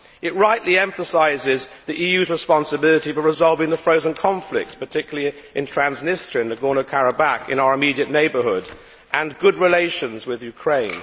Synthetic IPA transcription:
ʔɨt̚ɹaɪʔliɛ̃ɱfəsaɪzɪzðiʔijʉzɹɨspɑ̃nsɨbɪlˠəɾifə˞ɹɨzɑlˠvɪ̃ŋðəfɹoʊzə̃nkʰɑ̃ɱflɪ̰k̚tspətʰɪkjl̩ˠi | ʔɨ̃ntʰɹ̥æ̃nznɪstɹ̥iɨ̃nɨɡɔɹnəkʰæɹəbækɨ̰̃naʊə˞ɨmiɾiɨʔⁿneɪbə˞hʊɾ | ʔə̃nɡʊd̚ɹɨleɪʃɨ̃nzwɪðjʉkʰɹ̥ẽɪ̃n

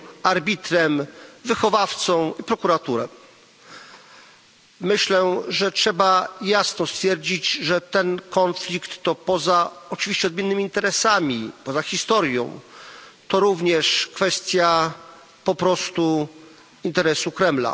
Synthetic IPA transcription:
aɾbʲit̪ɾɛmvɘxɔvaft̪sɔ̃w̃ipɾɔkuɾat̪uɾɛ̰ | mɘɕlɛʐɛtʂɛbajasnɔst̪fʲjɛɾd͡ʑid͡ʑʐɛt̪ɛnkɔnflʲikt̪ːɔpɔzaɔt͡ʂɨvʲiɕt͡ɕɛɔd̪mʲjɛnːɘmʲiːnt̪ɛɾɛsamʲipɔzaxʲist̪ɔɾʲjɔ̰̃w̃t̪ɔɾuvɲɛʂkfɛst̪ʲja | pɔpɾɔst̪u | int̪ɛɾɛsukɾɛmla̰

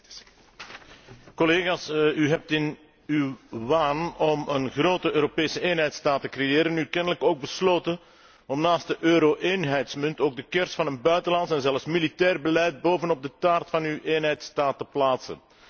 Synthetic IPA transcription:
kɔleːɣaːsyɦɛp̚tɪn | ywʋaːnɔmənɣroːtəøːɾopeːsəeːnɦɛjtstaːtːəkrejeːɾənykɛnələkoːɡ̚bəsloːtə | ɔmnaːstdəʔøːɾoʔeːnɦɛjtsmʏntoːɡ̚dəkɛrsfɑnənbœɥtəlɑntsɛnzɛlˠfsmilitɛːrbəlɛjd̚boːvənɔb̚dətaːrtfɑnywʔeːnɦɛjtstaːtːəplaːtsə̰n

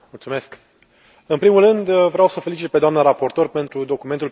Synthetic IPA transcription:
mult̪sume̞sk | ɨnpɾimulrɨnd̪vɾeawsəfelit͡ʃit̪̚pe̞d̪oamnəɾapo̞rt̪o̞rpe̞nt̪ɾud̪o̞kume̞nt̪ul

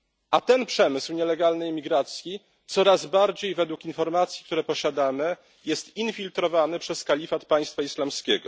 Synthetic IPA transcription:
ʔat̪ɛnpʂɛmɘswɲɛlɛɡalnɛjmʲiɡɾat̪sʲji | t̪sɔɾazbaɾd͡ʑejvɛd̪wukinfɔɾmat̪sʲji̥k̚t̪uɾɛpɔɕad̪amɘ | jɛst̪infʲilt̪ɾɔvanɘpʂɛskalʲifat̪̚paj̃st̪faislamskʲɛɡɔ

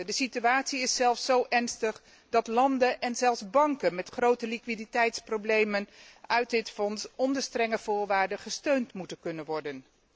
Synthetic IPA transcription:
dəsityaːtsiɪsɛlˠfsowʔɛɹnstəχ | dɑtlɑndənʔɛnzɛlˠzbɑŋkənmɛtχrowtəlikʋiditɛjtsprowblejmənœɥt̚dɪtfɔnsɔndəstrɛŋəv̥ʊːɹʋaːɹdəχəstøɥntmutənkɵnənʋɔɹdən

